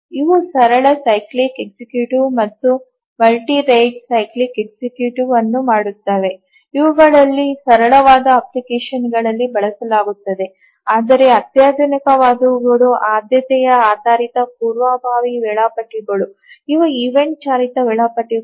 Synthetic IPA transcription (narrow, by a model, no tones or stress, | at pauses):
iʋusɐɾɐɭɐsɐjklikek̚sikjuːʈumɐt̪ːu | mɐlʈiɾɐjʈsɐjklikeksikjuːʈuʋɐnːumaːɽut̪ːaːʋe̞ | iʋuɡɐɭɐlːisɐɾɐɭɐʋaːd̪ɐɐplikeːʃɐnɡɐɭɐlːibɐɭɐsɐlaːɡut̪ːɐd̪e̞ | aːd̪ɐɾe̞ɐt̪jaːd̪ʱɐnikɐʋaːd̪ɐʋuɡɐɽuʔaːd̪jɐt̪ɛjɐaːd̪aːɾit̪ɐp̚uːɾʋaːbʱaːʋiʋɛɭaːpɐʈːiɡɐɭu | iʋɐiʋeɳʈ̚t͡ʃaːɾit̪ɐʋɛɭaːpɐʈːi